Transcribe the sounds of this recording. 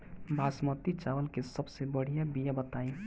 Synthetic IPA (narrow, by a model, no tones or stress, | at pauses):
bʱaːsmət̪it͡ʃaːʋəlkesəbsebəɽ̤ijabijabət̪aːĩ